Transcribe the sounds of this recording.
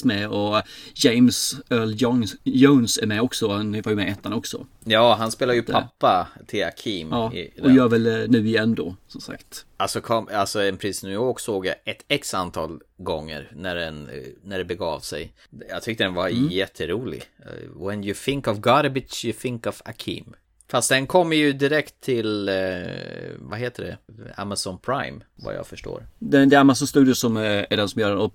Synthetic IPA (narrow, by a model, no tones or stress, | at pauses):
mɛɔjɛɪmsœːɭjoʊnsæɾmɛɔksɔhanvɑɾjmɛɛt̪ʰːanɔksɔ̰ | jɑːɦanspeːlad̪jɵpʰapːat̪ʰɪla̰kʰimɑːɪ̰ɔjœːɾvɛlnʉ̟ːɪjɛnːd̪o̰ːsɔmsa̰kt̪ʔalsɔkʰɔmalsɔɛnpʰɾiːsnʉjɔɾksoːɡja̰ʔɛt̪ɛksant̪ʰɑːl | ɡɔŋːə̰ɾnæɖɛnnæɖɛbɛɡɑːvsɛ̰j | jɑːt̪ʰʏk̚t̪əd̪ɛnvajɛt̪ʰːəɾuːlɪ̰ɡwɛnjʊθɪŋkɔvɡɑɾəbɪt͡ʃjɵθɪŋkɔva̰kʰḭːm | fast̪̚d̪ɛnkʰɔmːəjɵd̪ɪɾɛkt̪ʰːɪl | vaɦeːt̪əɖɛ̰a̰masɔnpʰɾaɪmva̰jɑ̰ːɡfœʂʈo̰ːɾd̪ɛd̪ɛæɾmas̬ːast̪ʉːd̪ɪəsɔmææɖɛnsɔmjœːɾɛnɔp